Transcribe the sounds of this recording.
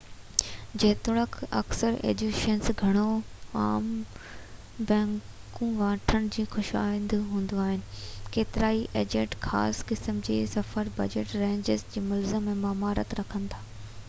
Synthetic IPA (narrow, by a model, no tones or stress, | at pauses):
d͡ʑɐːt̪ʊɽ̃əkʰɐ̰ksəɾḛːd͡ʑuʃənsɡʱɐɽ̃oaːm | bɛ̃ːŋ | kkũʋãːʈʰəɽ̃̆d͡ʑĩːxʊʃa̰ːɪ̃nd̪ɦũːn̆d̪oaːɦɪnɪ̆keːt̪ɪɾaːiʔeːd͡ʑeːʈxa̰ːskɪsəmd͡ʑeːsɐfəɾbɐ̰d͡ʑeːʈɾẽːɲd͡ʑɪzd͡ʑeːmɐlzəmːẽmaːmaːɾə̰t̪ɾɐkʰə̃nɪ̆t̪ʰaː